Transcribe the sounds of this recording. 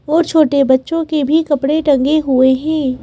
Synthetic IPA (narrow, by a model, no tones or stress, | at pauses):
ɔːɾt͡ʃʰoːʈebɐtːʃõkebʱikɐpɽeʈɐ̃ŋɡeɦueɦɛ̃ː